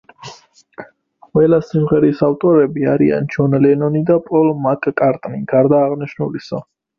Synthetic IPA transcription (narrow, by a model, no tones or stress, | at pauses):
qʼwɛlasimʁɛɾisaft̪ʼɔɾɛbiaɾia̰nt͡ʃʰɔnlɛnɔnid̪apʼɔlmakʼkʼaɾt̪ʼniɡ̥aɾd̪aːʁniʃnulisɔ